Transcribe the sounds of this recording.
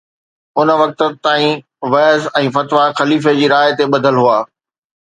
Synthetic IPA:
ʊnə̆ʋɐk̚t̪ə̆t̪aːĩ | ʋɛːzɛ̃ːfɐt̪ʋaxɐliːfed͡ʑiːɾaːɪt̪eɓɐd̪ʱəlɦuaː

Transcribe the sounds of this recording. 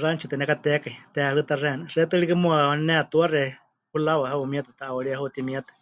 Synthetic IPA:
rant͡ʃʰut̪ɛnɛkat̪ɛkait̪ɛaɺɨt̪arɛnɨrɛt̪ɨɺikɨmuanɛat̪uarɛ | hulawaɦaumiat̪at̪aʔwaɺiahut̪imiat̪ḁ

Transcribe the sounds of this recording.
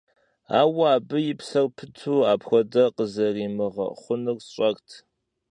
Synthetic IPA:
a̰ːwɐaːbɨjɪpsɐrpʰɨtʰuːaːpxʷɔdɐqəzɐriːmɨʁɐ̰χʷʊnɨrsɕʼɐktʰ

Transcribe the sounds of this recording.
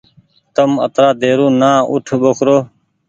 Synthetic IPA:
t̪əmə̰t̪ɾaːd̪eːɾũːnãːʊ̰ʈʰɓokʰɾoː

